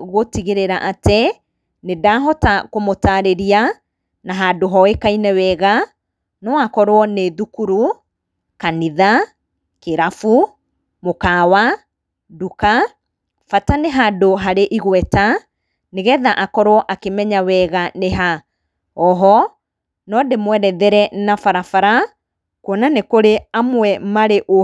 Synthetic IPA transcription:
ɣotiɣeɾeɾaʔatɛ | nedaːɦɔtakomotaɾeɾia | naɦadoɦɔekainɛwɛːɣa | nɔakɔɾwɔneðukuɾu | kaniða | keɾafu | mokawa | duka | fataneɦadoɦaɾeʔiɣwɛta | neɣɛðaʔakɔɾwɔʔakemɛɲawɛɣaneɦa | ɔɦɔ | nɔdemwɛɾɛðɛɾɛnafaɾafaɾa | kwɔnanekoɾeamwɛmaɾeʔo

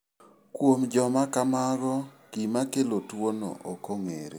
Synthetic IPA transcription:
kwomd͡ʒɔmakamaɡɔ | kimakelotwono̰ʔokoŋḛɾe

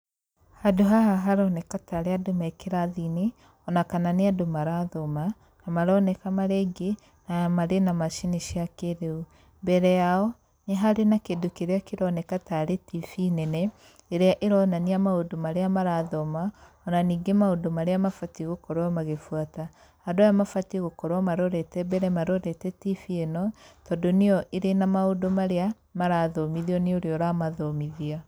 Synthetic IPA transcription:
hadoɦaɦaɦaɾɔnɛkataɾeadomɛkeɾaðine | ɔnakananeadomaɾaðɔma | kamaɾɔnɛkamaɾɛɡe | namaɾenamaʃineʃiakeɾeu | mbɛɾɛjaɔ | neɦaɾenakedokeɾeakeɾɔnɛkataɾetifinɛnɛ | eɾeaʔeɾɔnaniamaodomaɾeamaɾaðɔma | ɔnaniːŋɡemaodomaɾeamafatiɣokɔɾwamaɣefwata | hadwajamafatiɣokɔɾwamaɾɔɾɛtɛbɛɾɛmaɾɔɾɛtɛtifienɔtɔdoneɔʔeɾenamaodomaɾea | maɾaðɔmiðiɔneoɾeɔɾamaðɔmiðia

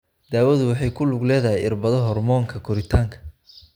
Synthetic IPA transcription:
d̪aːwɐðʊwɑħɑjkʰʊlʊɡlɛːðɐɦɛjɪrbɐðɔɦɔrmɔːŋkʰɐkʰɔɾɪt̪ʰaːŋkʰɐ̥

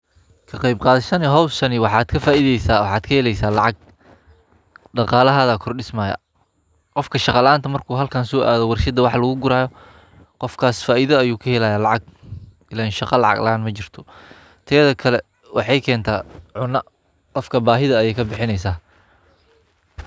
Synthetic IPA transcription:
kʰɐqɑjb̚qɑːðɪʃɐnɛɦɔwsɐnɪwɑħɑːd̪kʰɐfaːʔiðɛjsaːwɑħɑːd̪kʰɐhɛlɛjsaːlɑʕɑɡ̚ | ɖɑqɑːlɐɦaːðakʰɔrɖɪsmaːjɐ̰ | qɔfkʰɐʃɑqɑlaːnt̪ʰɐmɐrkʰuːɦɐlkʰaːnsɔːʔa̰ːðɔwɑrʃɐd̪ɐwɑħlɐɣʊɡʊɾaːjɔ | qɔfkʰaːsfaːʔiðɐɐjuːkʰɐhɛlaːjaːlɑʕɑɡ̚ | ɪlaːɪnʃɑqɑlɑ̰ʕɑ̰ɡlɑaːnmɐt͡ʃɪr̥t̪ʰɔ̥ | t̪ʰɛːðɐkʰɐlɛ | wʔɑħɑjkʰɛːnt̪ʰaːʕʊnɐ | qɔfkʰɐbaːɦɪðɐːjɛjkʰɐbɪħɪnɛjsaː

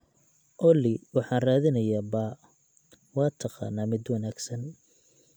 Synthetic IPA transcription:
ʔɔlɪwɑħɑːnraːðɪnɐjaːbaː | wɑːt̪ʰɑqɑ̰ːnːaːmɪd̪wɑnaːɡsɐn

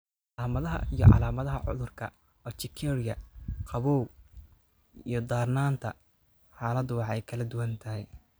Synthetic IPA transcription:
ʕʕɑlaːmɐðɐɦɐ̰ijɔ̰ʕɑ̰laːmɐðɐɦɐʕʊ̰ðʊrkʰɐ | ɔt͡ʃɪkʰɛːɾɪjɐqʰɑβɔːw | ḭjɞd̪aːrnaːnt̪ʰɐ | ħɑːlɐd̪ʊwɑħɛjkʰɐlɐd̪ʊwɐnt̪ʰɐɦɛj

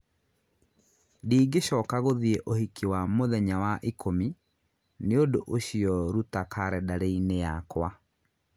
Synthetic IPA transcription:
diːɡeʃɔkaɣoðieʔohikiwamoðɛɲawaʔikʰomi | neodoʔoɕiɔɾutakʰaɾɛdaɾeinejakwa

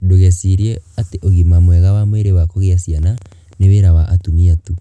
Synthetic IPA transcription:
doɣɛsiɾiɛateʔoɣimamwɛɣawamweɾewakoɣjasjana | neweɾawaʔatumiatu

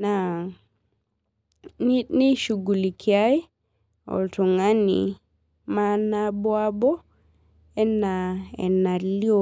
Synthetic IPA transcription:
na | niniʃuɡulikʰiaj | ɔ̰ltɔŋanḭ | manabɔabɔ | ɛnːaɛ̰naliɔ

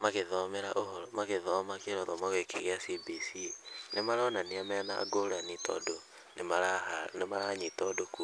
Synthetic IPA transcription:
maɣeðɔmɛɾaʔoɦɔɾɔmaɣeðɔmakeɾɔðɔmɔɣekeɣeasibisinemaɾaːnaniamɛna̰ːɡoɾanitɔ̰do | nemaɾaanemaɾaɲitɔdoku

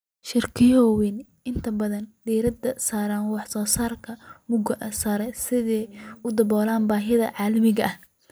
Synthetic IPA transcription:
ʃɪrkʰɪjɔwɛn | ɪnt̪ʰɐbɐðɐnd̪iːɾɐd̪ɐsaːɾaːnwɑħsɔːsaːrkʰɐmʊɡɐʔɐsaːɾɛsɪðɛːʊd̪ɐbɔːlaːnbaːɦɪðɐ̰ʕɑːlɐmɪɣɐʔɐh

